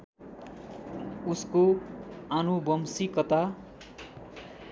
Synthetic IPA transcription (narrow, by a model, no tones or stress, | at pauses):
uskoanubʌmsikʌt̪a